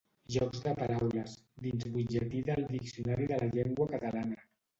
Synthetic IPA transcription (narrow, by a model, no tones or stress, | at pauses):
ʒɔkzdəpaɾawləzd̪inzβud͡ʒət̪iðəlˠd̪iksiunaɾiðələʎeŋɡwəkət̪əlanə